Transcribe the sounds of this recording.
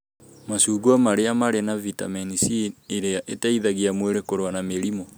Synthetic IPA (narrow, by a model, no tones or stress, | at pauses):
masuɡwamaɾeamaɾenavita̰menisieɾeaʔetaiðaɣiamweɾekoɾowanameɾimɔ